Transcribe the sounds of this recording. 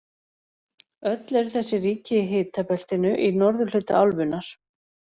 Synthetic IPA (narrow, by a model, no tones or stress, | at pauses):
œt̪lɛɾ̥θɛsːɪriːcɪɦɪːt̪apɛl̥t̪ɪnʏʔinɔɾðʏl̥ʏt̪a̰alvʏnːaɾ̥